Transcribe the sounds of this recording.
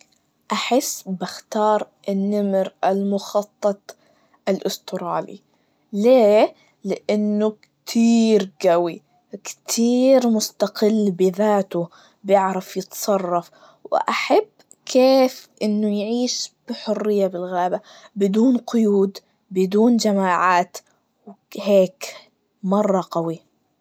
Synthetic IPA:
ʔaħɪsːbɪxt̪ɑːɾˤʔɪnːamɾɪlmʊxɑt̪ˤːɑt̪ˤ | ʔɪlʔʊst̪ɾɑːlḭ | leː | lɪʔɪnːʊk | t̪ʰiːɾɡawi | kt̪ʰiːɾmʊst̪aqɪlːbɪðaːt̪ʊ | bjɪʕɾˤɑfjɪt̪sˤɑrˤːɑf | wʔaħabː | kʰeːfʔɪnːʊjʕiːʃb̥ɪħʊrːɪjːabɪlɣaːba | bɪd̪uːnqʊjuːd̪ | bɪd̪uːnd͡ʒamaːʕaːt̪ | w | heːk | mɑrˤːɑqawi

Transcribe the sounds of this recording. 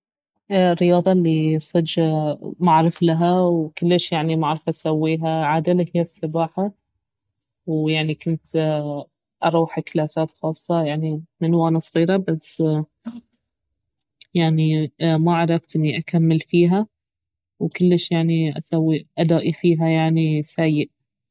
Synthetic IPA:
ɾːɪjɑːðˤɑlːisˤɨd͡ʒmaʕɾɪflaɦawkɪlːəʃjaʕnimaʕɾɪfaʔsawːiːɦaʕaːd̪alhɪjasˤːɑbaːħa | wjaʕnikʊnt̪ | ʔɑɾˤuːħaklaːsaːt̪xɑːsˤːɑjaʕnimɪnwaːnasˤɣiːɾabas | jaʕnimaʕɑɾˤɑft̪ʔɪnːiʔakamːɪlfiːɦa | wkʊlːɪʃjaʕniʔa̰sawːiʔad̪aːʔifiːɦajaʕnisaːjːɪʔ

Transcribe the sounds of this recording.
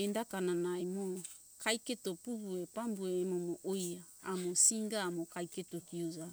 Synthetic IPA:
endakananajmo | kʰajke̞to̞pubuepambueːmomoʔojaːmosiŋɡaːmokajketokioza

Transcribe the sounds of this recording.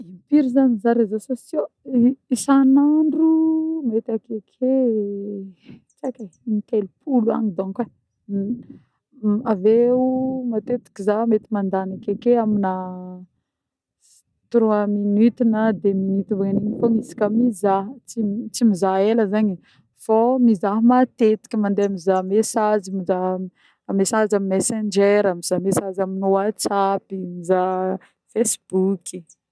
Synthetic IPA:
impiɾizanizaɾezososio | isanaɳɖ͡ʐumet̪akekʰe | t͡sakenit̪elipʰulua̰ɲid̪õŋka | aveumat̪et̪i̥kizamet̪imand̪anakekeamina | t̪uɾuaminyt̪inəd̪eminit̪ivniɲfomisi̥kʲamizaɦt͡sit͡simizaeləzaɲi | fomizaɦmat̪et̪i̥kʲimand̪eamizamesazimiza | amesazaminmesend͡ʒɛɾamiz̥amesazaminwat͡sapimiza | fesb̥ukʰi

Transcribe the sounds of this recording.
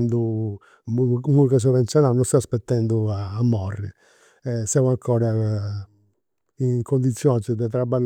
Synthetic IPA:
nd̪u | mumukas̬ɔpɛnsjɔnanɔnst̪aaspɛt̪ːɛnd̪uaːmːɔrːɪ | ɛsɛmuaŋkʰɔːɾa | iŋkʰond̪it̪sːjɔnsid̪ɛt̪ɾabal

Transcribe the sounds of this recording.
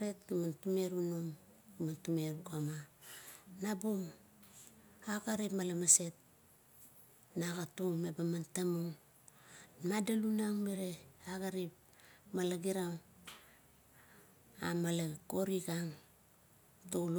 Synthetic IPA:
ɾetkumantume̞ɾunom | kumantumeɾukama | nabuŋ | aɡaɾipmalamase̞t̚ | naɣatuŋmebamantamuŋ | madalunaŋmeɾeaɡaɾip̚ | malaɡiɾam | a̰malekoɾiɡaŋ | tol

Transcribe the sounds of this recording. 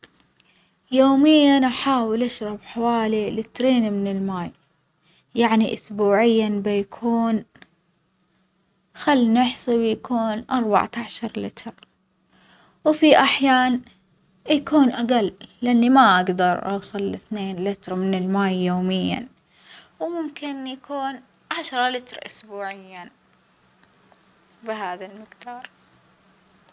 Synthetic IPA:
joːmɪjːanʔaħaːwɪlʔaʃɾˤɑbħawaːlilɪt̪ɾeːnmɪnɪlmaːj | jaʕniʔʊsbuːʕɪjːanbajakʰuːn | xalːnʊħsˤibjakuːnʔɑɾˤba̰ʕt̪aʕʃɑɾˤlɪ̰t̪ʰɾ | wfiʔaħjaːn | jakuːnʔaɡallɪʔanːimaʔaɡd̪ɑɾˤʔɑ̰wsˤɨlːɪθneːnlɪt̪ɾmɪnɪlmaːjːoːmɪjːa̰ | wmʊmkɪnjakʰuːn | ʕaʃɾˤɑlɪt̪ɾʔʊ̰sbuːʕɪjːa | bɪɦaːðalmɪɡd̪ɑːɾˤ

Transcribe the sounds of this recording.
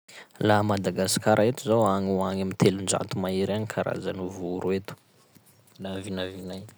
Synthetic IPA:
lamad̪aɡasi̥kaɾʔaet̪uzawaŋuaɲamit̪ʰelund͡ʒa̰t̪umaeɾaɲikʰaɾa̰zanuvuɾuet̪u̥ | lavinavinaj

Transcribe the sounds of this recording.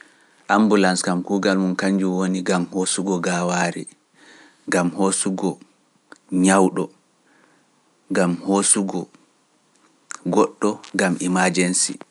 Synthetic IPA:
ʔambulanskamkuːɡalmunkaɲd͡ʒuwoniɡamhosuɡɔɡawaɾḭ | ŋɡamhosuɡɔ | ɲawɗɔ | ɡamhosuɡɔ | ɡɔɗːɔɡamʔimad͡ʒɛnsḭ

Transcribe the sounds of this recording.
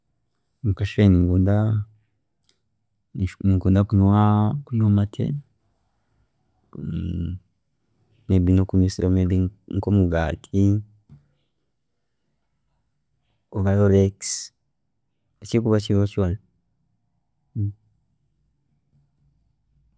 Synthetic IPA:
mukaʃeniɡuda | nikundakuɲwakuɲomatʰḛ | neβinokumisiɾomeβiŋkomuɡaːtʰi | oβaloɾeks | ecekuβat͡ʃiβot͡ʃiona

